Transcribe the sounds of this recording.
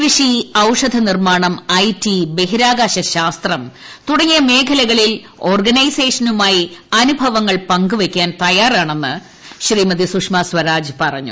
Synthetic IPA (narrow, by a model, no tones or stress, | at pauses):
ʋiʂiɐwʂɐd̪ʱɐnirmaːɳɐmɐjtibe̞ɦiɾaːɡaːɕɐɕaːst̪rɐmt̪uɽɐɲːijɐme̞ːkʰɐlɐɣɐɭil | o̞ːrɡɐnɐjse̞ːʂɐnumaːjiɐnubʱɐʋɐŋːɐɭpɐŋɡuʋekʲːaːnt̪ɐjaːraːɳe̞nːɨ | ɕriːmɐd̪isukʂmaswɐɾaːd͡ʑɨpɐrɐ̰ɲːṵ